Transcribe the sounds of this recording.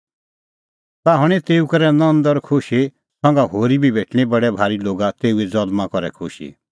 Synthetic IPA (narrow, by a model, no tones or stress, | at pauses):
t̪aɦɔɽ̃et̪eːukɔɾɛnɔ̃nd̪ɔɾkʰʊʃe | sɔ̃ŋɡaɦoːɾibʱibʱeːʈɽ̃ibɐɽɛbʱaːɾiloːɡat̪eːuɛd͡zɔd̪mãkɔɾɛ̰kʰʊʃḭ